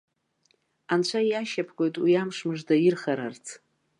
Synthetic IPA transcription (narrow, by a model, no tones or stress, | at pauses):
ant͡ɕʷʰajaʃapʰkʷʼo̞jtʼwiamʂmɨʐdajirχaɾart͡sʰ